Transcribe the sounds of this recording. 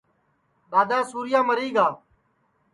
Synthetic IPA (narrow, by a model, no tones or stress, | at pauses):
ɓaːd̪ãːsuːɾɪjãːməɾiːɡaː